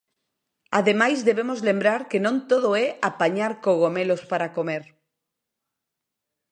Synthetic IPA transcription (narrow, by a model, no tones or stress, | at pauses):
a̰ðemajzðeβemozlembɾaɾkenõnt̪oð̞oɛapaɲaɾkoɣomelospaɾakomeɾ